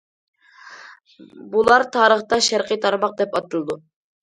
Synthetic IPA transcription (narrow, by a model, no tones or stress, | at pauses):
bulˠɑɾt̪ʰɑːɾəχt̪ɑʃæɾqət̪ʰɑɾmɑq̚d̪ɛpɑt̪ɨlˠɨd̪u